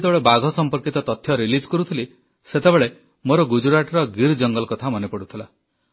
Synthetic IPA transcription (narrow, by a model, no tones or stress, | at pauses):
t̪ebeɭebaɡʱɔsɔmpɔɾkit̪ɔt̪ɔt̪ʰːjɔɾilid͡ʒkɔɾut̪ʰili | set̪ebeɭe | moɾɔɡud͡ʒuɾaʈɾɔɡiɾd͡ʒɔŋɡɔlɔkɔt̪ʰamɔnepɔɽut̪ʰila